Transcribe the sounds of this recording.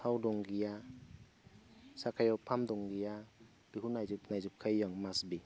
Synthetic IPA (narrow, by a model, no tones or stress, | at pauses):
sawdɔŋɡija | sakʰajɔpʰamdɔŋɡija | b̥iɦunajzup̚najzup̚kʰajːɔŋmasbi